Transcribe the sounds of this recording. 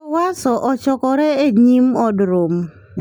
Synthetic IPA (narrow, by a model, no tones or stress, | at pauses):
wasɔʔɔt͡ʃɔkɔɾɛeɲimɔdɾom